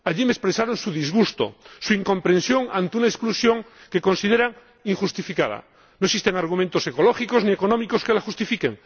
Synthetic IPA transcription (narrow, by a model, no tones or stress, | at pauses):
aʎimespɾesaɾonsuðizɣust̪o̰suiŋkõ̞mpɾensjo̞ŋant̪eunaesklusjõ̞ŋke̞ko̞nsið̞eɾaŋ | iŋxust̪ifikað̞a̰ | noeksist̪eŋaɾɣ̞umẽnt̪o̞seko̞loxikoznie̞konõmikoskelaxust̪ifikeŋ